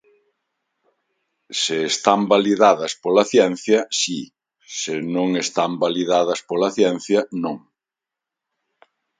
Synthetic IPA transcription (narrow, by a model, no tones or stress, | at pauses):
seːst̪ambaliðaðɐspolaθjɛn̟θjɐsi | senõŋest̪ambaliðaðɐspolɐθjɛn̟θjɐnõŋ